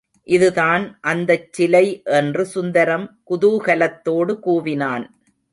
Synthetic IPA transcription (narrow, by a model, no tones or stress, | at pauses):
ʔɪðɯðaːnʔɐnd̪ɐt͡ʃːɪlɐɪʔɛndrɯsʊnd̪ɐɾɐmkʊðuːɣɐlɐt̪ːoːɽɯkuːʋɪnaːn